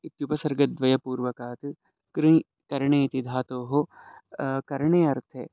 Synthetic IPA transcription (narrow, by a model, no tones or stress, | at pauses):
ɪt̪jupɐsɐɾɡɐd̪ʋɐjɐpuːɾʋɐkaːt̪ | ɾi | kɐɾɳeːit̪id̪ʱaːt̪oːɦo | kɐɾɳeːɐɾt̪ʰeː